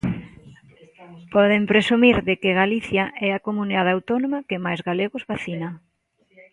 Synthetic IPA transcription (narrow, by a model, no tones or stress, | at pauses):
pɔðempɾesumiɾðɪkɪɣaliθjaʔɛakomuniðaðawt̪ɔnomɐkɪmajzɣaleɣʊzβaθinɐ